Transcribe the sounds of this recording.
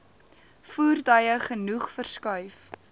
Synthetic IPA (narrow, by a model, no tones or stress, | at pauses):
fuːrdɐjəχənuχfərskœɥf